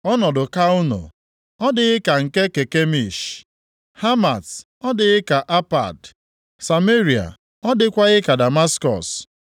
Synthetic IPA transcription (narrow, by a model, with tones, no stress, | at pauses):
ɔ˦nɔ˨dʊ˨ka˦ʊ˦no̰˨ | ɔ˦dɪ˨ɣɪ˦ka˨ŋ̩˨ke˦ke˨ke˦mi˨ʃ | ha˦ma˨t | ɔ˦dɪ˨ɣɪ˦ka˨ʔa˦pa̰˨d | sa˨me˦ɾi˨a̰˨ | ɔ˦dɪ˦kʷa˦ɣɪ˦ka˨da˨ma˦skɔ̰˨s